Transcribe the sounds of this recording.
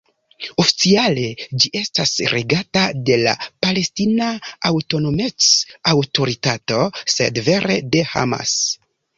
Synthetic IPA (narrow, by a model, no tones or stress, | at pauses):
o̞fi̥t͡siale̞d͡ʒiʔe̞stasɾeɡatade̞la̰pale̞stinaawto̞no̞me̞t͡sawto̞ɾitato̞se̞̰dve̞ɾe̞de̞ha̰ma̰s